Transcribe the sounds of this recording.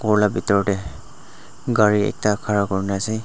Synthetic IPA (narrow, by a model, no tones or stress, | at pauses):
kɔɹlabitɔɹɔdɛ | ɡaɹiɛ̰k̚takʰaɹakɔɹnasi